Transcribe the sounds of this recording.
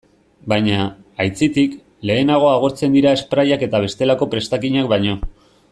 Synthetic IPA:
bajɲaː | jt͡sit̪ik | le̞ːnaɣ̞o̞aɣ̞o̞ɾt͡se̞nd̪iɾae̞spɾajake̞t̪aβ̞e̞st̪e̞lako̞pɾe̞st̪akiɲak̚bajɲo̞

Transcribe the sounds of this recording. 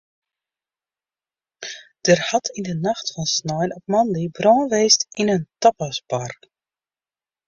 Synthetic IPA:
d̥ərhatʰindənaxtfɔnsnɔjnɔpmɔndibroːnʋeːstinəntɔpasbark

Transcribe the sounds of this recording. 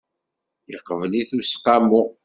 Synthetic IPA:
jəqːəvliθusqːɑmʊ

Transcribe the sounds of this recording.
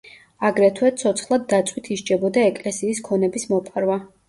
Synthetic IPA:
aɡɾɛt̪ʰwɛt̪sʰɔt̪sʰχlˠad̪̚ːat̪sʼwit̪ʰiʃt͡ʃʼɛbɔd̪aɛkʼlɛsiːskʰɔnɛbismɔpʼaɾwa

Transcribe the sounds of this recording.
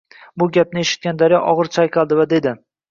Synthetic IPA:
bʊɡʲap̚nɪe̞ʃɪt̪̚ɡʲand̪aɾjɒʔɒʁɨɾt͡ʃʰajqʰɑlˠd̪ɪvad̪e̞d̪ɪ

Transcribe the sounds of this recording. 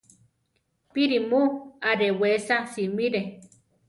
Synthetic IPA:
piɾimuaɾewesasimiɾe

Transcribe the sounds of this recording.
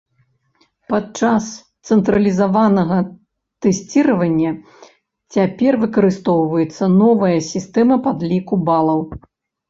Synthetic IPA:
pat͡ʂast̪sɛnt̪ɾɐlʲizavanɐɣɐ | t̪ɛsʲt͡sʲiɾɐvɐnʲːɐ | t͡sʲapʲɛrvɨkɐɾɨst̪ɔwvɐjɛt̪sːɐnɔvɐjɐsʲist̪ɛmɐpad̪lʲikubalˠɐw

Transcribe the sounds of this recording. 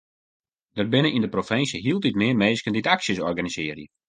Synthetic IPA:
dərbɪnəʔindəprofɪnsjəɦiəlˠtitmɪəmeːskənditaksjəsɔrɡanizɪːərjə

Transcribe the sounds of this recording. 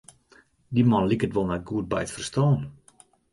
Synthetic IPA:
dimɔnlikətʋolˠnɛt̚ɡuət̚bɛjətfərstɔːn

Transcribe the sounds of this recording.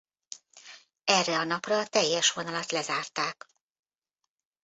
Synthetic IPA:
ɛrːɛɒnɒprɒːt̪ɛjːɛʃʋo̞nɒlɒt̪lɛzaːrt̪aːk

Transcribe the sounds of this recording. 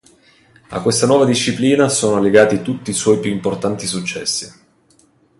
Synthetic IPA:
a̰kːwest̪anwɔːvad̪iʃːipliːnasoːnoleɡaːt̪it̪ut̪ːiːswɔːjpjuimport̪ant̪isut͡ʃːɛ̰sːi

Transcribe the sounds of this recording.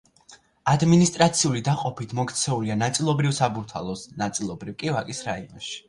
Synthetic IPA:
ad̪minist̪ʼɾat̪sʰiulid̪aqʼɔpit̪ʰmɔkʰt̪sʰɛulianat̪sʼilˠɔbɾifsabuɾt̪ʰa̰lˠɔsnat̪sʼilˠɔbɾivkʼivakʼisɾaiɔ̰nʃi̥

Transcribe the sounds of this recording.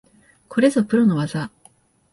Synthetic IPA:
kʰo̞ɾe̞zopɯ̟ɾo̞no̞βaza

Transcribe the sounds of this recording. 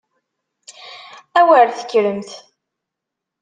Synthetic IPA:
æwəɾθə̥kːɾəmθ

